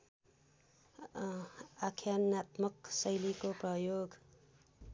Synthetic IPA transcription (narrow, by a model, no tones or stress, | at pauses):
akʰjanat̪mʌksʌjlikoprʌjoɡ